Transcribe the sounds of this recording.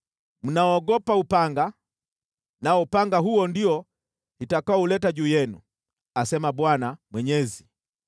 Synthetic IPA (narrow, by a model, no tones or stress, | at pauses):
m̩naɔɔɡɔpaupaŋɡa | naɔpaŋɡaɦuɔndiɔ | hitakaɔulɛtaʄuːjɛnṵ | asɛmabwanamwɛɲɛzi